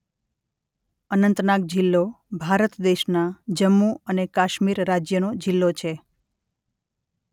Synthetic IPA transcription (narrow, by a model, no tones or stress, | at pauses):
ənənt̪nak̚d͡ʒilːo | bʱaɾət̪d̪eʃnad͡ʒəmːuənekaʃmiɾːad͡ʒjənod͡ʒilːot͡ʃʰe